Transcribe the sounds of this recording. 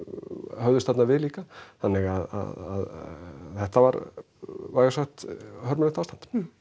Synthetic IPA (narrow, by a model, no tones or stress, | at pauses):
hœɥðʏst̪at̪naɾvɪliːkaθanːɪɣaða̰ða̰ðθɛht̪avaɾ | vaːjɣasaxt̪hœɾmʏlɛ̥kt̪aːwst̪ant̪